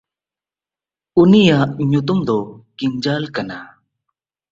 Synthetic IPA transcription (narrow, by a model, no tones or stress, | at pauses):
unijaʔɲut̪̬umd̪ɔkimd͡ʒalkana